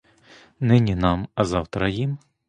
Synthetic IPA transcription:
nɪnʲinɑmɐzɑwt̪ɾɐjim

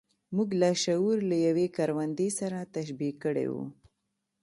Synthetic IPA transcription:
muɡlaʃauɾlajawekaɾwand̪esaɾat̪aʃbikːəɽḛwṵ

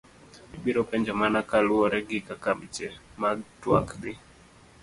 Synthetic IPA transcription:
iɓiɾɔpɛɲd͡ʒamanakalʊɔɾɛɡɪkakamt͡ʃɛmaɡtwa̰kd̪ɪ

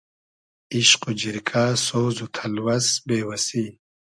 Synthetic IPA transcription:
iʃqud͡ʑiɾkʰaːsoːzut̪ʰɐlwɐsbeːwɐsi

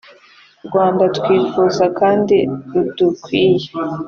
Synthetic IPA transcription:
ɾɡwaːmbatkwiːfuːzakaːndiɾudukwiːje

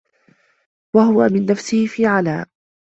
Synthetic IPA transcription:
waɦʊwamɪnːafsɪhɪfiːʕalaːʔ

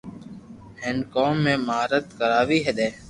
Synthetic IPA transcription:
hɪːnkoːmːẽːmɦaːɾət̪kəɾaːʋiːɦeːd̪eː

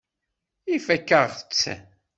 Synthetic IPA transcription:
ifækːəʁət͡sː

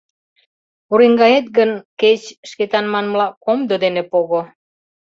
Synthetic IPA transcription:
uɾiŋɡɑjet̪̚ɡənket͡ɕʃket̪ɑnmɑnmlɑkomd̪od̪enepoɣo

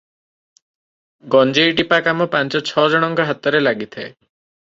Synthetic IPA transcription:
ɡɔnd͡ʒejʈipakamɔpãnt͡ʃɔt͡ʃʰɔd͡ʒɔɽ̃ɔŋkɔɦat̪ɔɾelaɡit̪ʰae

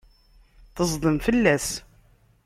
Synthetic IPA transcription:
θəzˤd̪ˤəmfəlːæs

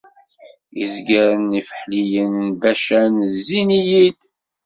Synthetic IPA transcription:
ḭzɡæɾənifə̥ħlijənbæʃænzːinijid̪

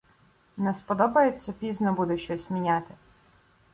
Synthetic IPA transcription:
nɛspɔd̪ɔbɐjet͡sʲːɐpʲiznɔbud̪ɛʃt͡ʃɔsʲmʲinʲat̪ɪ

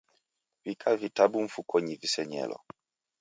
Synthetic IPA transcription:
vikʰavitabuɱ̩fukʰɔɲivisɛɲɛ̰lɔ̰

